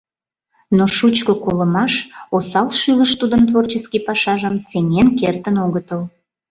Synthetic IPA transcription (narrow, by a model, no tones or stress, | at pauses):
noʃut͡ɕkokoləmɑʃosɑlʃyləʃt̪ud̪ənt̪vort͡ɕəskipɑʃɑʒəmsenenkert̪ənoɣət̪əl